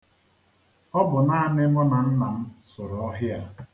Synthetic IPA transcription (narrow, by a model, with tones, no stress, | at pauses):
ɔ˦bʊ˨na˦a˨mɪ˦mɔ˦na˨n̩˦na˨m̩˦sʊ˨ɾʊ˨ɔ˦ɦɪ˦a˦